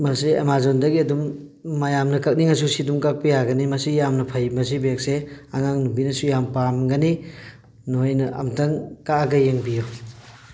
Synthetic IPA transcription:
mɐsiḛmazondɐɡiɐdumː | ɐjamnɐkɐk̚niŋɐsusidumkak̚pijaɡɐnimɐsijamnɐpʰɐjmɐsibek̚seaŋaŋnubinɐsujampamɡɐni | noojnɐʔɐ̰mtɐŋkaaɡɐjeŋbijo

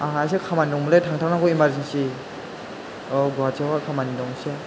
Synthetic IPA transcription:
aɦaas̬ekʰamandɔŋmuletʰaŋtʰaŋnakɔimaɾzensi | ɔɡat͡ʃewakʰamanidɔŋse

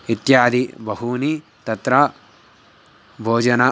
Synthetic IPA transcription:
it̪jaːd̪ibɐɦuni | t̪ɐt̪ɾɐ | bʱoːd͡ʒɐnɐ

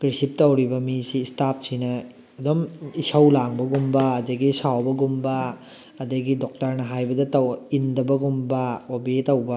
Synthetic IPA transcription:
kɾisip̚tɐwɾibɐmisiːstatʰsʰinɐ | ɐdomisɐwlaŋbɐɡumbɐːdɐɡisawbɐɡumbɐ | ɐdɐɡidok̚tɐɾnɐɦajbɐdɐtɐindɐbɐɡumbɐobetɐwbɐ

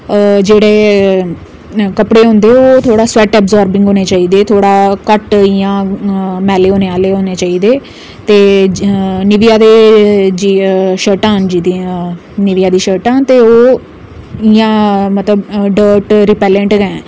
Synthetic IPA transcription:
d͡ʒeːɽeː | kəpɽeːɦʊ̃nd̪eːoːt̪ʰoːɽaːsʊɛːʈɛːbzɔːɾbɪ̃ŋɡɦoːneːt͡ʃaːiːd̪eːt̪ʰoːɽaːkəʈijãːmɛːleːoːneːaːleːɦoːneːt͡ʃaːiːd̪eː | t̪eː | nɪʋijaːd̪eːd͡ʒiːʃəːʈãːɦənd͡ʒiːd̪i | nɪʋijaːd̪iːʃəːʈãːt̪eːoː | ɪjãːmət̪ləbɖəːɾʈɾɪpɛːlə̃ɳʈɡɛ̃ː

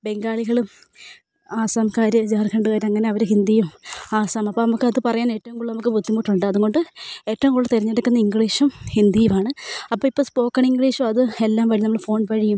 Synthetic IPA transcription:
be̞ŋɡaːɭiɣɐɭum | aːsaːmkaːɾɐid͡ʑaːrkʰɐɳɖɨɣaːɾɐŋːɐne̞ɐʋɐɾɨhind̪ijumaːsaːmɐpːoːnɐmukːɨɐðɨpɐrɐjaːne̞ːʈːɐʋumkuɭːɐnɐmukːɨbʱud̪ʱːimuːʈːuɳɖɨɐðuŋo̞ɳɖɨe̞ːtːɐʋumkuɭːɐt̪iɾiɲːeɽɐkːunːɐiŋɡɭiːʂumhind̪ijumaːɳɨɐpːoːipːoːspo̞ːkːɐɳiŋɡɭiːʂumɐðɨelːaːmʋɐɻinɐmːɐɭfo̞ːnkɐɻijum

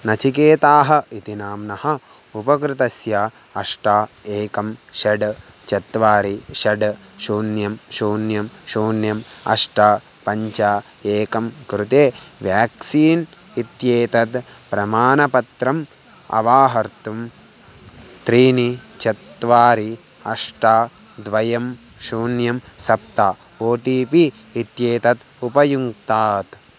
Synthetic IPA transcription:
nɐt͡ʃikeːt̪aːɦɐit̪inaːmnɐhɐ̆ | upɐkɾɪt̪ɐsjaː | ɐʂʈaːeːkɐmʃɐɖ | t͡ʃɐt̪ʋaːɾiʃɐɖ | ʃuːnjɐmʃuːnjɐmʃuːnjɐmɐ̰ʂʈaː | pɐɲt͡ʃaː | eːkɐmkɾut̪eːʋjaːksiːn | it̪jeːt̪ɐt̪ | pɾɐmaːnɐpɐt̪ɾɐm | ɐ̰ʋaːɦɐɾt̪um | t̪ɾiːnit͡ʃɐt̪ːʋaːɾi | ɐʂʈaː | d̪ʋɐjɐm | ʃuːnjɐmsɐp̚t̪aː | oːʈiːpiː | t̪jeːt̪ɐt̪ | upɐjuŋkt̪aːt̪

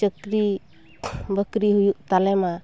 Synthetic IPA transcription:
əkɾi | bəkɾiɦujuʔ̚t̪alɛma

